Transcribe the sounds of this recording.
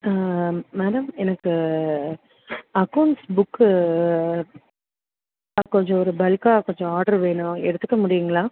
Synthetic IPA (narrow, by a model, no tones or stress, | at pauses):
meːɾɐmɛnɐkːɯ | ɐkːɐʊɳʈsbʊkː | ɐkːɔɲd͡ʒɔ̃ɔɾɯbɐlkaːkɔɲd͡ʒɔ̃aːɾɖɐɾʋeːɳʊ̃ɛɽɯt̪ːɯkːɐmʊɽɪjɯŋɡɐɭãː